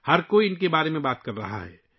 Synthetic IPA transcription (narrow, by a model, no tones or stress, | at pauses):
hɐɾkoːiɪnkebaːɾemẽbaːt̪kɐɾːɐ̰ɦa̰ɦɛ̰ː